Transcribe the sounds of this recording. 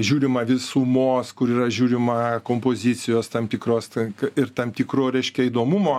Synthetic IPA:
ʒʲuːɾʲɪmɐʋʲɪsumoːskʊɾiːrɐʒʲuːɾʲɪmɐkoːmpoːzʲit͡s̪ʲɪjoːst̪ɐmt̪ʲiːkroːstɪrt̪ɐmt̪ʲiːkroːɾʲɛɪʃʲkʲɛiːd̪oːmumoː

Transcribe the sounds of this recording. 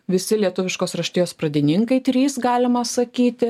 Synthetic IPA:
ʋʲɪsʲɪlʲiɛt̪ʊʋʲɪʃkoːsɾɐʃʲt̪ʲɪjoːspɾɐd̪ʲɪnʲɪŋkɐɪt̪ʲɾʲiːsɡɑːlʲɪmɐsɐkʲiːt̪ʲɪ

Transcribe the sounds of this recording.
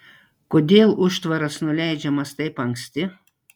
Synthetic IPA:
kod̪ʲeːlˠʊʃt̪ʋɐɾɐsnʊlʲæɪd͡ʒʲɛmɐst̪ɐɪpɐŋksʲt̪ʲɪ

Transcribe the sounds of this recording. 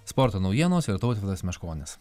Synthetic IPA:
spɔɾt̪oːnɔʊjʲiɛnoːsɪɾt̪ɔʊt̪ʲɪt̪ɐsmʲɛʃkoːnʲɪs

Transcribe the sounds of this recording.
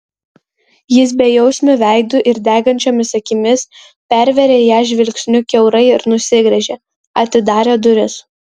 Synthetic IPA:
jɪs̬bʲɛjɛʊsʲmʲʊʋʲæˑɪd̪ʊʔɪɾd̪ʲæːɡɐnʲt͡ʃʲoːmʲɪsɐkʲɪmʲɪs | pʲæɾʲʋʲɛɾʲeːjæːʒʲʋʲɪlʲksʲnʲʊkʲɛʊɾɐɪɪɾnʊsʲɪɡɾʲɛʒʲeː | ɐt̪ʲɪd̪ɑːɾʲeːd̪ʊɾʲɪs

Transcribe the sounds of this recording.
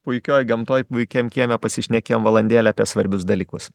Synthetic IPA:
pʊɪkʲoːjɡɐmt̪oːjpʊɪkʲemʲkʲiɛmʲɛpɐsʲɪʃʲnʲɛkʲeːomʋɐlˠɐnʲd̪ʲiːlʲɛɐːpʲiɛsʋɐɾʲbʲʊsd̪ɐlʲiːkʊs

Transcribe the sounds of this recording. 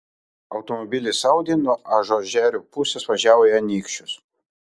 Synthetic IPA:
ɒʊt̪ɔmɔbʲɪlʲɪsɐˑʊd̪ʲenuɔʔɐʒoːʒʲæːɾʲuːpʊsʲɛsʋɐʒʲæːʋojɛɐnʲiːkʃʲt͡ʃʲʊs

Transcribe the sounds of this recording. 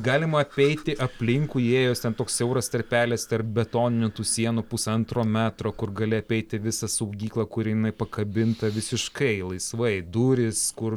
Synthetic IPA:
ɡɑːlʲɪmɐɐpʲɛɪt̪ʲɪʔɐpʲlʲɪŋkuːeːjoːst̪ʲɛnt̪oːkssɛʊɾɐst̪ɐɾʲpʲæːlʲɛst̪ɐrp̚bʲɛt̪oːnʲɪnʲʊt̪uːsʲiɛnupʊsɐnt̪ɾoːmʲæːt̪ɾoːkʊrɡɐlʲɪɐpʲɛɪt̪ʲɪʋʲɪsɐsɐʊɡʲiːklˠɐkʊɾʲɪjɪnɐɪpɐkɐbʲɪnt̪ɐʋʲɪsʲɪʃkɐɪlˠɐɪsʋɐɪd̪uːɾʲɪskʊr

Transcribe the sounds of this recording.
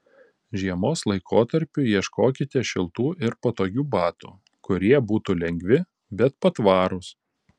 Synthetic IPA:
ʒʲiɛmoːslˠɐɪkʰoːt̪ɐɾʲpʲʊiɛʃkoːkʲɪt̪ʲɛʃʲɪlˠt̪uːʔɪɾpot̪oːɡʲuːbɑːt̪ṵː | kʊɾʲiɛbuːt̪uːlʲɛŋʲɡʲʋʲɪ | bʲɛt̪pɐt̪ʋɑːɾʊs

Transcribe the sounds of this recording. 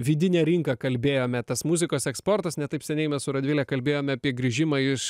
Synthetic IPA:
ʋʲiːd̪ʲɪnʲɛːɾʲɪŋkɐkɐlʲbʲeːjoːmʲɛt̪ɐsmʊzʲɪkoːsɛkspoːɾt̪ɐsnʲɛt̪ɐɪpsʲɛnʲɛɪmʲɛssʊɾɐd̪ʲʋɪlʲɛkɐlʲbʲeːjoːmʲɛɐpʲiɛɡɾʲiʒʲɪmɐɪʃ

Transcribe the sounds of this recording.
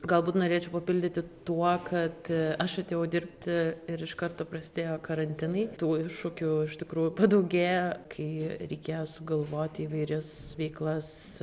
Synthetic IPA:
ɡɐlˠbuːt̪noːɾʲeːt͡ʃʲɛʊpɐpʲɪlʲd̪ʲɪt̪ʲɪt̪uɔkʰɐt̪ɐʃɐt̪ʲeːjɛʊd̪ʲɪɾpʲt̪ʲɪɾɪʃkɐɾt̪oːpɾɐsʲɪd̪ʲeːjoːkɐɾɐnʲt̪ʲɪnɐɪt̪uːɪʃʊkʲʊɪʃt̪ʲɪkɾuːjʊpɐd̪ɐʊɡʲeːjokʰɐɪɾʲɛɪkʲeːjoːsʊɡɐlˠʋoːt̪ʲiːʋɐɪɾʲɛsʋʲɛɪklˠɐs

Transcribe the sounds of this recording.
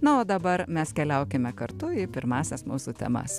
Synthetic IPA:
nɐoːd̪ɐbɐɾmʲɛskʲɛlʲɛʊkʲɪmʲɛkɐɾt̪ʊipʲɪɾmɑːsʲɛsmuːsuːt̪ʲɛ̰mɐ̰s

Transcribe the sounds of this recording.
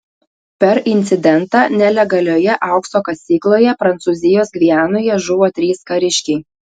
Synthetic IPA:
pʲɛɾʔɪnʲt̪sʲɪd̪ʲɛnˑt̪ɑːnʲɛlʲɛɡɐlʲoːjɛʔɐˑʊksoːkɐsʲiːklˠoːjɛpɾɐnt̪sʊːzʲɪjoːsɡʲʋʲiæːnʊjɛʒʊʋoːt̪ʲɾʲiːskɐɾʲɪʃʲkʲɛɪ

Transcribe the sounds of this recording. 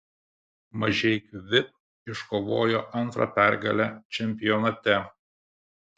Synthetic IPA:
mɐʒʲɛɪkʋʲɪp̚ | ɪʃkoːʋoːjoʔɐnt̪ɾɐ̰pʲæˑɾɡɐlʲæt͡ʃʲɛmʲpʲɪjɔnɐt̪ʲɛ

